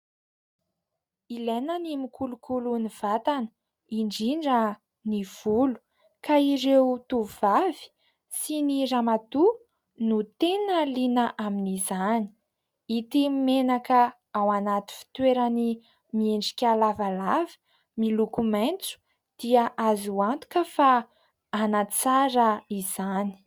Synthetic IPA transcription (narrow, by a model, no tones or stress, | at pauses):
ilenənimikʰulukuluniv̥at̪anə | iɳɖ͡ʐiɳɖ͡ʐə | niv̥ulu̥ | kaiɾewt̪uvavi̥ | siniramat̪u | nut̪enəlinəʔaminizani̥ | it̪imenakə | awanat̪i̥fi̥t̪weɾəni | mieɳɖ͡ʐi̥kʲalavalavə̥ | milukumant͡su̥ | d̪̥iaʔazuant̪u̥kəfa | anat͡saɾəizani̥